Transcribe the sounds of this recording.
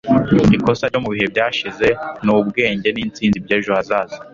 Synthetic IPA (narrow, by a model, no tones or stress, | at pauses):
iko̞saɾɟo̞muβiɦe̞bɟaːʃize̞nubɡe̞ːɲɟe̞niːnt͡siːnzibɟeːʒoazaːzi